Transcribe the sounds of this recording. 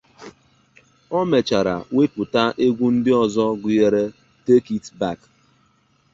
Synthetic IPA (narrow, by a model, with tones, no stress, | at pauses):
ɔ˦me˨t͡ʃa˨ɾa̰˨we˦pʊ˨ta˦ʔe˦ɡʷu˦n̩˦dɪ˦ɔ˨zɔ˦ɡʊ˨je˨ɾe˦ | te˦ki˦tba˦˨k